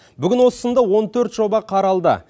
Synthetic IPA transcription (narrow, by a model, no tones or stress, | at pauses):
bʏɡʲɪnwo̞sə̥sənd̪ɑwo̞nt̪ʰɵɾt̪ʒo̞bɑqʰɑɾɑlˠd̪ə̰